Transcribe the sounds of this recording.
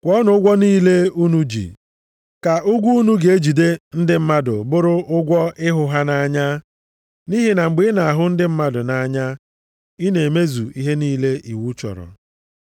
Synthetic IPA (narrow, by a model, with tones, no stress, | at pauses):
kʷɔ˦nʊ˨ʊ˦ɡʷɔ˦niː˦le˦u˦nu˦d͡ʒḭ˨ | ka˨ʔʊ˦ɡʷu˦u˦nu˦ɡe˨e˦d͡ʒi˨de˦n̩˦dɪ˦m̩˦ma˦dʊ̰˨bʊ˦ɾʊ˦ʔʊ˦ɡʷɔ˦ɪ˦ɦʊ˨ɦa˦na˦˨ɲa˦ | ni˦ɦi˨na˨ŋ͡m̩˨ɡ͡bɪ˦na˨a˨ɦʊ˦n̩˦dɪ˦m̩˦ma˦dʊ˨na˨ɲa˦ | i˦ne˨e˨me˦zṵ˨i˦ɦe˦niː˦le˦ʔi˨wu˦t͡ʃɔ̰˨ɾɔ̰˨